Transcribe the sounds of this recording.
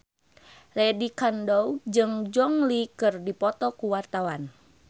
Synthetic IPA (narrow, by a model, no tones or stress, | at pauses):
lɛdikandowd͡ʒɨŋd͡ʒɔŋlikɨrdipɔt̪ɔkuwart̪awan